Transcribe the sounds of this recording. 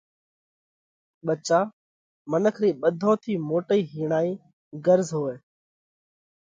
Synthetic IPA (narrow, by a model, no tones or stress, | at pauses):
ɓət͡ʃaː | mənəkʰɾiːɓəd̪ʱõːt̪ʰiːmoːʈəiːɦiːɳaːiː | ɡəɾzɦoːeː